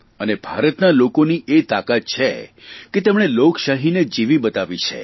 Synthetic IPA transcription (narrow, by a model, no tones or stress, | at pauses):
ənebʱaɾət̪nalokoniʔet̪akat̪̚t͡ʃʰeket̪ɛmɳ̃elokʃaɦined͡ʒiʋibət̪aʋit͡ʃʰḛ